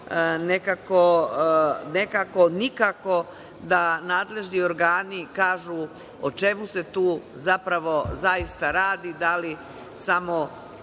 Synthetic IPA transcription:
nekako | ne̞kako̞nikako̞ | d̪anaːd̪le̞ʒnioɾɡaːnikaːʒu | ot͡ʃe̞muse̞t̪uːzapɾaʋo̞zaist̪aɾaːd̪id̪ali | samo̞

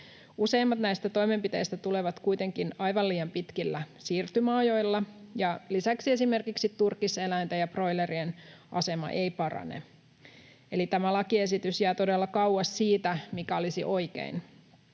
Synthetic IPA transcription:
use̞imːɑt̪næjst̪æt̪o̞jme̞mpit̪e̞ist̪æt̪ule̞ʋɑt̪kujt̪e̞ŋkinɑjʋɑliːjɑmpit̪kilːæsiːrt̪ymɑːjo̞jlːɑjɑlisæksie̞sime̞rkiksit̪urkise̞lænt̪æjɑpro̞jleɾienʔɑ̰se̞mɑ̰ʔejpɑrɑ̰nḛ | e̞lit̪æmælɑkie̞s̬it̪ysjæːt̪o̞delːɑkɑuwɑssiːt̪æmikæo̞lisḭʔo̞jkḛin

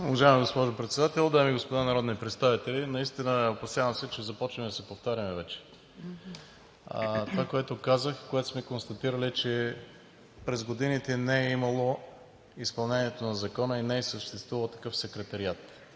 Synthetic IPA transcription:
ovɐʒaɛmiɡospɔʒopɾɛt̪sɛd̪at̪ɛlˠd̪aɛmiɡospod̪anɐɾɔd̪nipɾɛt̪st̪avit̪ɛlinɐist̪inəɛopɐsjavɐmsɛt͡ʃɛzɐpɔt͡ʃnɛmɛd̪ɐsɛpoft̪aɾʲjɐmɛvɛt͡ʃɛ̥ | t̪ovakoɛt̪okazəxkoɛt̪o̥smɛkonst̪ɐt̪iɾəlit͡ʃɛ | pɾɛzɡod̪init̪ɛnɛɛimɐlˠo | ispɐlˠnɛnʲiɛt̪onɐzɐkɔnəinɛɛsəʃt̪ɛst̪vuvɐlˠt̪ɐ̥kɤfsɛkɾɛt̪ɐɾiat̪

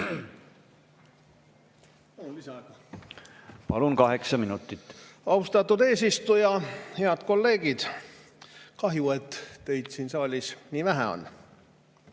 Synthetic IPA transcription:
ɑunlisɑɡ̥ɑ | pɑlunkɑɦeksɑminut̪ːˑit̪ːɑust̪ɑt̪ːˑud̪e̞ːsist̪ujɑhe̞ɑd̪̥ko̞lːe̞ːɡ̥id̪̥ | kɑɦjuet̪ːe̞jd̪̥siːnsɑːlʲisniːvæɦæ̰o̞̰n

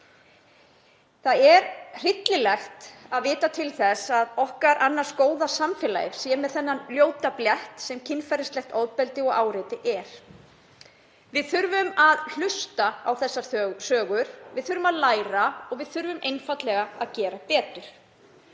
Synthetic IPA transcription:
θaðɛɾr̥ɪt̪lɪlɛxt̪aðvɪːt̪at̪ʰɪlθɛsaðɔhkaɾʔanːaɾ̥skoːwðasamfɛːla̰jɪɾ̥sjɛːmɛðθɛnːanljoːwt̪apljɛht̪sɛmcʰɪnfajɾɪst̪lɛxt̪ɔðpɛlt̪ɪɔɣaːwɾɪːt̪ɪʔɛɾ̥ | vɪðθʏɾvʏmaðl̥ʏst̪aawθɛsːaɾ̥sœːɣʏɾ̥vɪðθʏɾvʏmaðlaːjɾaɔɣvɪðθʏɾvʏmʔejnfat̪lɛɣaaðcɛːɾapɛːt̪ʏɾ̥

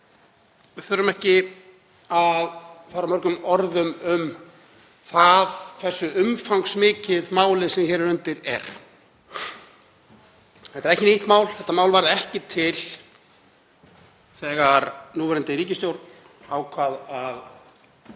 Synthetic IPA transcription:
vɪθʏɾʏmɛhcɪ | aðfaːɾamœɾkʏmɔɾðʏmʏm | θaðθɛsːʏʏmfawŋksmɪːcɪðmaːwlɪsɛmçɛːɾɾœnt̪ɪɾɛ̰ɾ̥ | θɛht̪ɾɛhcɪneht̪maːwl̥θɛht̪amaːwlvaɾðɛhcɪt̪ʰɪl | θɛːɣaɾnuːvɛɾɛnt̪ɪɾiːcɪst̪jowɾ | awkʰvaːðað

